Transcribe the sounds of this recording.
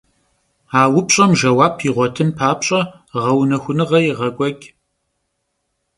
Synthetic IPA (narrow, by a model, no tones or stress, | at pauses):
aːwʊpʼɕʼɐmʒɐwaːpʰiːʁʷɔtʰɨnpʰaːpɕʼɐ | ʁɐwnɐxʷʊnɨʁɐjʁɐkʷʼɔɡʲ